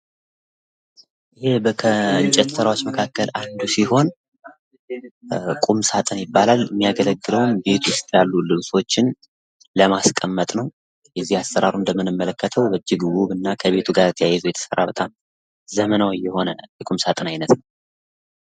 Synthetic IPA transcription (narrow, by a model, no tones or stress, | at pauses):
ʔɨhe̞bəkʰəɨɲt͡ʃʼɛt̪sɨɾawot͡ʃːməkʰakːəlʔand̪usiho̞n | kʼumsat̪ʼɨnjɪbːalaljmːijaɡələɡːɨləwnbe̞t̪ʰuʊst̪ʼjalːulɨβso̞t͡ʃːɪn | ləmaskʼəmːət̪ʼnəw | jɛzːihasːəɾaɾund̪əmːɨnɨmːələkːət̪ʰəwbəd͡ʒːɪɡwuβɨnːakʰəβe̞t̪ʰuɡaɾt̪ʰəjajɛzujɛt̪ʰə̥sə̰rːa̰bət̪ʼam | zəmənawɨjːɛho̞nəjɛkʼumsat̪ʼɨnajnət̪nəw